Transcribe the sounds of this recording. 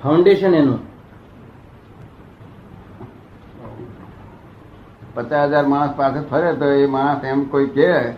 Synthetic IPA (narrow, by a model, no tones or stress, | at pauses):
pʰaʊɳɖeʃənenũ | pət͡ʃasəd͡ʒaɾmaɽ̃əspasʰət̪pʰəɾet̪oemaɽ̃əsemkoike